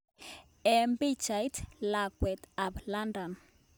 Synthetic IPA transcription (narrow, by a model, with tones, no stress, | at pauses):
ɛ˨mbi˦t͡ʃa˨jtla˨kwɛ˨t̪a˨bla˦ndɔ˨n